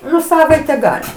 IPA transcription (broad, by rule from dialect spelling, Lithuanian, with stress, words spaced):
ˈnʊ ˈsɑːʋɐɪtʲɛ ˈɡɑːlʲɪ